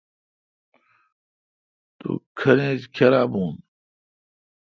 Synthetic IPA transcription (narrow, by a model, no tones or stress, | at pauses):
t̪ṵkʰɐnẽːd͡ʑkʰeɾaːbuːn